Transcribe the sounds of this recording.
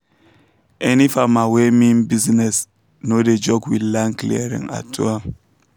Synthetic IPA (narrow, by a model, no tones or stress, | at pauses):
ɛnifamawemĩnbiznɛs | noded͡ʒɔɡwilːãnklḭaɹḭ̃ŋa̰tʰṵa